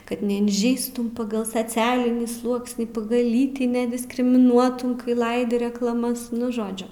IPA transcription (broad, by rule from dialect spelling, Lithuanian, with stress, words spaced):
ˈkɐt nʲɛɪnʲˈʒʲɛɪstuː ˈpɑːɡɐlˠ sɐˈt͡sʲæːlʲɪnʲiː ˈslˠuɔksʲnʲiː ˈpɑːɡɐlˠ ˈlʲiːtʲiː nʲɛdʲɪskrʲɪmʲɪˈnuɔtuː ˈlˠɐɪdʲɪ rʲɛklˠɐˈmɐs ˈnʊ ˈʒoːd͡ʒʲʊ